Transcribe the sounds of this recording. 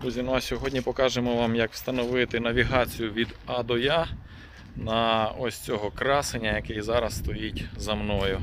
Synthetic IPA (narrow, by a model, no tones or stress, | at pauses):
buzʲinuɐsʲɔɦɔdʲnʲipɔkɑʒemɔʋɑmjɐkw̥st̪ɐnɔʋɪt̪ɪnɐʋʲiɦɑt͡sʲijʊʋʲid̪ɐd̪ɔja | nɐɔsʲt͡sʲɔɦɔkɾɑsenʲːɐjɐkɪjzɑɾɐsst̪ɔjitʲzɐmnɔjʊ